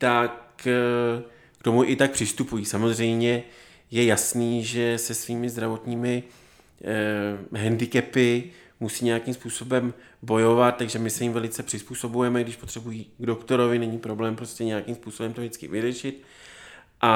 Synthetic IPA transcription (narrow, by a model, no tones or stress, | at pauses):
t̪ak | t̪o̞muʔɪt̪ak̚pr̥ɪst̪upujiːsamo̞zr̝ɛjmɲɛ | jɛjasniːʒɛsɛsviːmɪzd̪ɾavo̞t̪ɲiːmɪ | ɦɛndɪkɛpɪ | musiːɲɛjakimspuːso̞bɛm | bo̞jo̞vat̪̚t̪ːaɡʒɛmɪsɛjɪmvɛlɪt͡sɛpr̥ɪspuːso̞bujɛmɛɡdɪʃpo̞t̪r̥ɛbujiːɡdo̞kt̪o̞ɾo̞vɪnɛɲiːpɾo̞blɛːmpɾo̞scɛɲɛjakimspuːsobɛmt̪oʒdɪt͡skɪ̰vɪrɛʃɪt̪ | ʔa